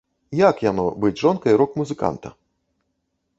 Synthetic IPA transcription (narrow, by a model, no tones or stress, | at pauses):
jakjanɔbɨt͡sʲʐɔnkɐiɾɔkmuzɨka̰nt̪ɐ̰